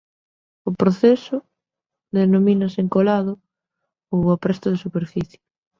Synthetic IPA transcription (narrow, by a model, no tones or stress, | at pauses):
ʊpɾoθɛsʊ | ðenominɐseŋkolaðʊ | owapɾɛst̪ʊðɪsupeɾfiθjɪ